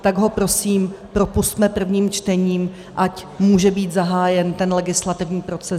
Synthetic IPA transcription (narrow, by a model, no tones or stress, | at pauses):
t̪aɡɦo̞pɾo̞siːmpɾo̞pust̪mɛpr̩vɲiːmt͡ʃt̪ɛɲiːm | ʔacmuːʒɛbiːt̪zaɦaːjɛnt̪ɛnlɛɡɪslat̪ɪvɲiːpɾo̞t͡sɛ